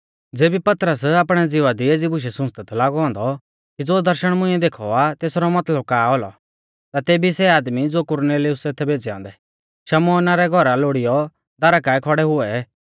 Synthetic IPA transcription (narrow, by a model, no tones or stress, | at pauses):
d͡zeːbipɐt̪ɾəsaːpɽ̃ɛd͡zɪʋad̪ieːd͡zibʱʊʃ̬ɛsʊ̃st̪ɛt̪ʰɔlaːɡɔɔ̃ːnd̪ɔ | kid͡zoːd̪ɐɾʃəɽ̃mʊ̃ĩɛd̪eːkʰɔ̰at̪eːsɾɔmɐt̪ləb̚kaːɔlɔ̰ | t̪at̪eːbisɛaːd̪mid͡zoːkʊɾneːliʊset̪ʰːɛbeːd͡zɛã̰ːnd̪ɛ | ʃɐmɔːnaɾɛɡʱɔɾaloːɽijɔ | d̪ɐɾakaɛkʰɔɽɛɦʊɛ